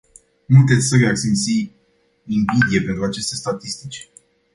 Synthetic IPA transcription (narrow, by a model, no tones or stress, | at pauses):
nut̪e̞t̪sʲsəɾeaksint̪si | imbid̪ije̞pe̞nt̪ɾuat͡ʃe̞st̪e̞st̪at̪ist̪it͡ʃʲ